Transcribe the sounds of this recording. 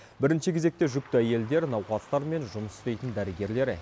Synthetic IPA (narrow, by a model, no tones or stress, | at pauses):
bɪɾɪnʃɪkʲʰe̞ze̞k̚t̪e̞ʒʏk̚t̪ɪæje̞ld̪e̞ɾnɑwqɑzt̪ɑɾme̞nʒʊməsʏ̥st̪e̞jt̪ənd̪æɾɪɡʲe̞ɾle̞ɾɪ